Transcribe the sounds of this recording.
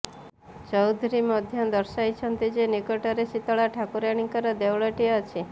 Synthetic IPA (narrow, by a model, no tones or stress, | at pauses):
t͡ʃɔwd̪ʱuɾimɔd̪ʱjɔd̪ɔɾsajt͡ʃʰɔnt̪id͡ʒenikɔʈɔɾesit̪ɔɭaʈʰakuɾaɽ̃iŋkɔɾɔd̪ewɭɔʈiɔt͡ʃʰi